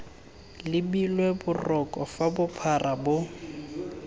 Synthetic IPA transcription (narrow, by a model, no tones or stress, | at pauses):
lɪbilwebʊrɔkʼɔfabʊpʰarabʊ